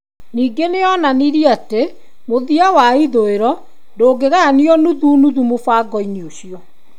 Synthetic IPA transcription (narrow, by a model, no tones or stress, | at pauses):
niːɡeneɔnaniɾiate | moðiawaiðoeɾɔ | ndoːɡeɣaniɔnuðunuðumofaːɡɔinioɕiɔ